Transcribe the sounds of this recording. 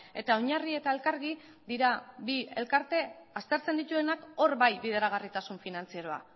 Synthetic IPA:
e̞t̪aoɲarie̞t̪aelkaɾɣi | d̪iɾabie̞̰lkaɾt̪e̞ast̪e̞ɾt͡se̞nd̪it̪ue̞nako̞ɾβajbiðe̞ɾaɣ̞arit̪asuɱfinant͡siaɾo̞a̰

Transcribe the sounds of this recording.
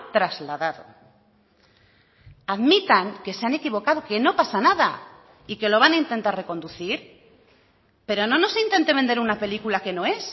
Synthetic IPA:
t̪ɾazlaðaðo̰ | aðmit̪aŋke̞seanekiβ̞o̞kaðo̞ke̞no̞pasanaða | ike̞lo̞β̞anaint̪e̞nt̪are̞ko̞nd̪uθiɾ | pe̞ɾo̞no̞no̞sint̪e̞nt̪e̞βe̞nd̪eɾunape̞likulake̞no̞e̞s

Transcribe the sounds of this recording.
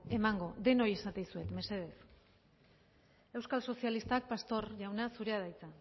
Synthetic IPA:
e̞maŋɡo̞ðe̞no̞jesat̪ejsue̞t̪me̞se̞ð̞e̞s | e̞wskalso̞sialist̪ak̚past̪o̞ɾʝawnasuɾe̞að̞ajt͡sa

